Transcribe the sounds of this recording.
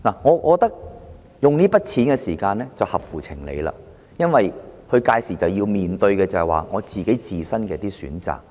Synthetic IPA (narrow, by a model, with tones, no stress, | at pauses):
naː˨˩ŋɔː˨˧kɔ˨˧kt̪ɐ˥k̚ | jʊ˨ŋniː˥pɐ˥t̚t͡sʰiː˨˥nkɛ˧siː˨˩kaː˧nlɛː˥t͡sɐ˨whɐ˨p̚fuː˨˩t͡sʰɪ˨˩ŋlḛ˨˧jla̰ː˧ | jɐ˥nwɐ˨jhɵ˧ɥkaː˧jsiː˨˩t͡sɐ˨wjiː˧wmiː˨˩nt̪ɵ˧ɥkɛː˧t͡sɐ˨hɛ˨wa̰ː˨ŋɔː˨˧t͡siː˨ke˨˥jt͡siː˨˩sɐ˥nkɛː˧˥t̪iː˥sy̰ː˨˥nt͡sa̰ː˨˩k̚